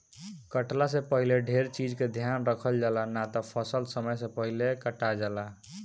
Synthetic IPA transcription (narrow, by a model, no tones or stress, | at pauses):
kəʈlas̬ẽpəɦileɖʱeɾt͡ʃid͡ʒked̪ʱjanɾəkʰəld͡ʒalanat̪ɔpʰəsəlsəməjsẽpəɦilekəʈad͡ʒala